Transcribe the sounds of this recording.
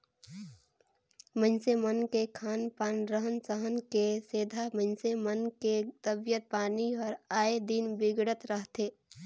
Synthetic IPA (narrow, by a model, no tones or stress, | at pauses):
mə̃nsemənkekʰaːnpaːnɾəɦənsəɦənkeseːd̪ʱamə̃nsemənket̪əbjət̪̚paːniɔːɾaːed̪inbɪɡɽət̪ɾəɦt̪eː